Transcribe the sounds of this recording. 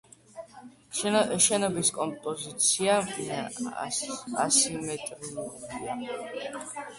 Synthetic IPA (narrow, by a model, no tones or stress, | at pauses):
ʃɛnɔbiskʼɔmpʼɔzit̪sʰia | a̰simɛt̪ʼɾiuɾia